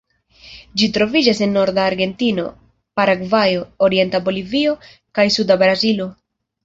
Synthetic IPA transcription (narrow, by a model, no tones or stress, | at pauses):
d͡ʒitɾo̞vid͡ʒase̞nːo̞ɾdaːɾɡe̞ntino̞̰ | paɾaɡvajo̞ːɾie̞ntabo̞livio̞ | kajsudabɾazilo̞